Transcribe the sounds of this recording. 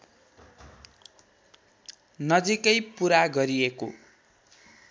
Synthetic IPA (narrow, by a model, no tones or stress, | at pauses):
nʌd͡zikʌjpuɾaɡʌɾieko̰